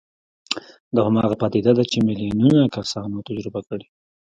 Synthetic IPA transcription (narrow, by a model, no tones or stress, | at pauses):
d̪ɑhamɑɣapɑd̪id̪ad̪at͡ʃemɪlijununakasɑnot̪ad͡ʒɾɪbakəɽi